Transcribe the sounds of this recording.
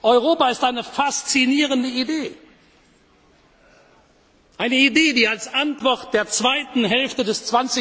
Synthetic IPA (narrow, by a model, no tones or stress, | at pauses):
ʔɔʏʁ̞oːpaɪstʔaɪnəfast͡siniːʁəndəideː | ʔaɪnəideːdiːalsʔantv̥ɔʁt̚d̥eːɐt͡sv̥aɪtn̩ɦɛlftədɛst͡sv̥ant͡sɪ